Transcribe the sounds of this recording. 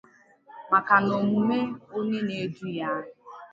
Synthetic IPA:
ma˨ka˨no˨mu˨me˦o˦ɲe˦ne˦du˦ja˦

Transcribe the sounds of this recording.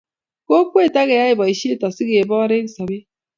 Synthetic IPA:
ko˦kʷwe˦˨ta˦ɣe˨ja˦ɪ˨bɔ˨i˨ʃi˦e˦tɔ˨si˦ɡe˨bɔ˦ɾe˦ksa˨be˦

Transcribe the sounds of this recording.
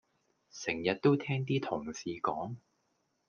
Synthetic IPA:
sɪ˨˩ŋjɐ˨t̚t̪o˥wt̪ʰɛː˥ŋt̪̬iː˥t̪ʰʊ˨˩ŋsiː˨˧kɔː˨˥ŋ

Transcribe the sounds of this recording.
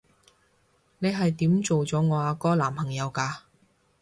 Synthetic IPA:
ne˨˧jɦɐ˨jt̪iː˨˥mt͡so˨wt͡sɔː˨˥ŋɔː˨˧aː˨˧kɔː˥laː˨˩mpʰɐ˨˩ŋjɐ˨˧wkaː˧

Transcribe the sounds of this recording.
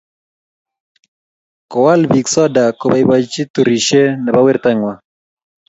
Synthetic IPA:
kɔ˨wa˦lbi˨ksɔ˦da˨ko˨ba˨iba˨t͡ʃi˦t̪u˨ɾi˨ʃe˦nɛ˨ba˦wɪ˦rt̪ɛ˦ŋwa˨

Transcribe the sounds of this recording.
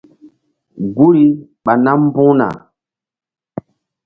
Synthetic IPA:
ɡu˦ɾi˦ɓa˨na˦m˦bũ˦na̰˨

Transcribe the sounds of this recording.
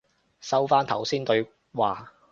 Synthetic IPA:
sɐ˥wfaː˥nt̪ʰɐ̰˨˩wsiː˥nt̪ɵ˧ɥ | waː˨˩

